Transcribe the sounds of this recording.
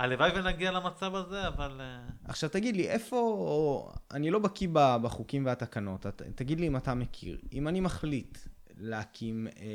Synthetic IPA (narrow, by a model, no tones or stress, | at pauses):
alevajvenaɡialamat͡savazeavalea̰χʃavt̪aɡid̪liʔefo̞ | a̰nilo̞bakibabaχukimveatakano̞tatːaɡidliːmatamekʰḭʁimanimaχlit | leakʰim